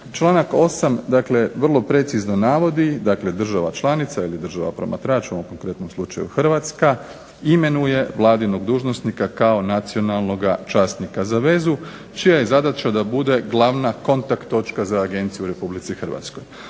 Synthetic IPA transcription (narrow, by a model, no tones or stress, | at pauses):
t͡ʃlˠaːnako̞samd̪akle̞ʋr̩lˠo̞pɾe̞t̪sizno̞naːʋo̞d̪id̪akle̞d̪r̩ʒaʋat͡ʃlˠaːnit̪sailid̪r̩ʒaʋa̰pɾo̞̰ma̰t̪ɾaːt͡ʃoomko̞ŋkɾe̞t̪no̞mslˠut͡ʃa̰jṵxr̩ʋat̪ska | ime̞nuje̞ʋlˠaːd̪ino̞ɡd̪uːʒnosnikakao̞nat̪sio̞nalˠno̞ɡat͡ʃaːst̪nikazaʋe̞zu | t͡ʃijaje̞zad̪at͡ʃad̪abud̪e̞ɡlˠaʋnako̞nt̪akt̪ːo̞t͡ʃkazaːɡe̞nt̪sijuɾe̞publit̪sixrʋa̰t̪sko̞j